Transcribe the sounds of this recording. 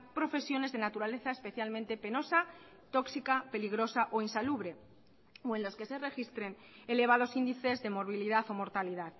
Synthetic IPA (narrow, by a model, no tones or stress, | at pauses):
pɾo̞fe̞sjo̞ne̞zðe̞nat̪uɾale̞θaespe̞θjalmẽnt̪e̞pe̞no̞sa | t̪o̞ksikape̞liɣ̞ɾo̞saʔo̞insaluβɾe̞ | oe̞nlo̞ske̞se̞re̞xist̪ɾe̞n | e̞le̞β̞aðo̞sind̪iθe̞zðe̞mo̞ɾβ̞iliðaθo̞mo̞ɾt̪aliðað